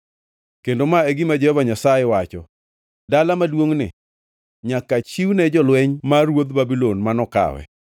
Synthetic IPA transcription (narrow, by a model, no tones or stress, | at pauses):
kendomaeɡimad͡ʒɛhɔvaɲasajɛwat͡ʃɔ | dalamadwoŋnɪ̰ | ɲakat͡ʃiwnɛd͡ʒɔlwɛɲmarwod̪babilonmanɔka̰wɛ̰